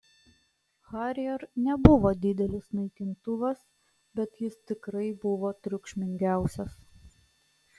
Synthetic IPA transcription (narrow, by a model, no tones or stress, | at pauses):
xɑːɾʲɪjɛɾnʲɛbʊʋoːd̪ʲɪd̪ʲɛlʲɪsnɐɪkʲɪnt̪ʊʋɐs | bʲɛt̪jɪst̪ʲɪkɾɐɪbʊʋoːt̪ʲɾʲʊkʃʲmʲɪŋʲɡʲæˑʊsʲɛs